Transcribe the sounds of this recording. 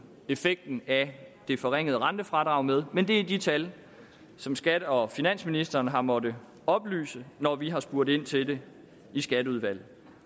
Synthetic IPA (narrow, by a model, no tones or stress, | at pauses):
e̝feɡ̥̚d̥n̩æd̥e̝fɒʁeŋ̰əðˠʁɑ̈nd̥əfʁɑ̈d̥ʁɑ̈ʊmeð̞ˠmend̥e̝æd̥it͡sʰæl | sɒ̽msɡ̥æd̥əɒ̽finæn̰sminisd̥ɐːnɦɑ̈mɒ̽də | ɒ̽b̥ly̰ːsənɒʋiɦɑ̈sb̥uɐɾ̥e̝n̰t͡sʰe̝de̝ | isɡ̥æɾəuð̞ˠʋæl̰ð̩ˠ